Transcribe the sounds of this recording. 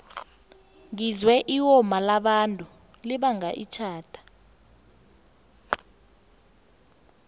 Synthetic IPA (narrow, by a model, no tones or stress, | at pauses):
ŋizwɛʔiwɔmalaɓantʼu | liɓaŋaʔḭt͡ʃʰaːd̥ʰʱḁ